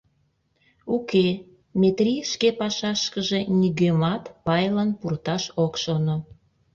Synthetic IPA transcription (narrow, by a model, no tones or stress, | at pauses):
uke | mʲet̪ɾʲijʃkepɑʃɑʃkəʒe̽nyɣemɑt̪pɑjlɑnpurt̪ɑʃokʃono